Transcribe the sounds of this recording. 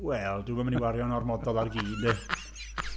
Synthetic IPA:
wɛlˠduːmamniwaɾjɔnɔrmɔdɔlˠarɡiːndɪ

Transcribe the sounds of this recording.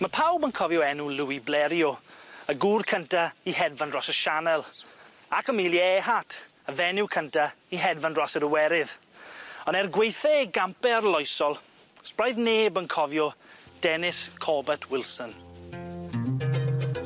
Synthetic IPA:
məpʰawbənkʰɔvjɔɛnuluiblɛɾjɔəɡuːrkʰəntaiɦɛdvandrɔsəʃanɛlˠ | akəmiːlˠiɛɦatʰ | əvɛnɪwkʰəntaiɦɛdvandrɔsəɾəwɛɾɪð | ɔnɛrɡwejθɛɡampɛrlˠɔjsɔlˠ | sprajðneːbənkʰɔvjɔd̥ɛnɪskʰɔbɛtʰwɪlˠsən

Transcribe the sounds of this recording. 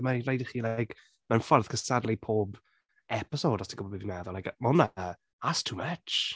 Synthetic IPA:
marejdɪχiːlajk | mɛnfɔrð̥kʰəsadlipʰoːb | ɛpɪsoːdɔsd̥iɡʊbɔbivinɛðɔlajkmɔna | astʰuːmət͡ʃ

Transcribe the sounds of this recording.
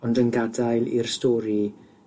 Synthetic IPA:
ɔndənɡadajlˠḭrstɔːɾi

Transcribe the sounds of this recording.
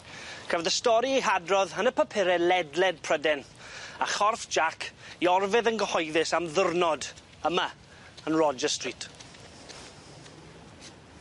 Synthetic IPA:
kʰəvəðəstɔɾiiɦadrɔðənəpʰəpʰɪɾɛlɛdlɛd̚pʰrədɛnaχɔrfd͡ʒakʰiɔrvɨðənɡəhɔjðɪsamðʊrnɔd | əma | ənrɔd͡ʒəstritʰ

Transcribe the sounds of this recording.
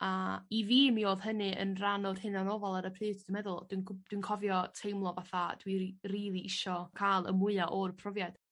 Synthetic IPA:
aiviːmioːðhənɨə̰nranɔd̥hɨnanovalˠaɾəpʰrɨːdd̥əmɛðʊlˠd̥wind̥winkʰɔvjɔtʰejmlˠɔvaθad̥wiriːlˠiʔɪʃɔkʰaːlˠə̰mʊɨaʔɔrpʰrɔvjad̥

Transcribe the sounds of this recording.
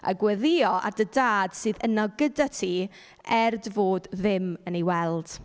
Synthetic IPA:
a̰ɡwɛðɪɔʔa̰rdədaːd̥sɨːðənaɡədatʰiː | ɛrdvoːdðɪməniwɛlˠd̥

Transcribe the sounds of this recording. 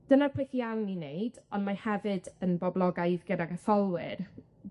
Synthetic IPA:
d̥ənarpʰlɪθiawninejdɔnmahɛvɨdənbɔblˠɔɡajðɡədaɡaθɔlˠwɪr

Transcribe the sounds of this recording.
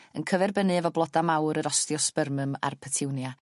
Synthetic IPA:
ənkʰəvɛrbənɨɛvɔblˠɔdamawɾəɾɔstjɔspərməma̰rpʰətʰɪwnja

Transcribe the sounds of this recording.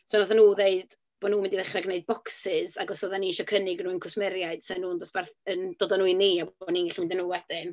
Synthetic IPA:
sɔnɔðanuːðeɨd̥ | b̥ɔnuːmɪndiðɛχraɡneɨd̚bɔksɪzaɡɔsɔðaniːʃɔkʰənɪɡnuːɪnkʰʊsmɛɾjaɨd̥sɪnːuːndɔsb̥ɛrθəndɔːdɔnuːiniabɔniŋɪɬmɪndənːuːwɛdɪn

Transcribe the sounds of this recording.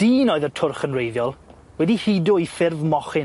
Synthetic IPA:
d̥iːnoɨðətʰʊrχənrejðjɔlˠ | wɛdihidʊifɪrvmɔχɪ

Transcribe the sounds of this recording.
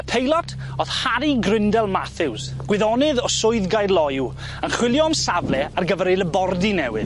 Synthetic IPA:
əpʰejlˠɔtʰ | ɔðhaɾiɡrɪndɛlˠmaθɪws | ɡ̥wɪðɔnɨðɔsʊɨðɡajdlˠɔju | ənχwɪlˠjɔmsavlɛarɡəvɛɾejləbɔrdinɛwɨð

